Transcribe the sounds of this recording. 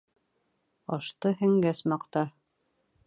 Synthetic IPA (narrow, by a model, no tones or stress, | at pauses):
ɑʃt̪ɤɦɘ̆ŋɡæsmɑqt̪ɑ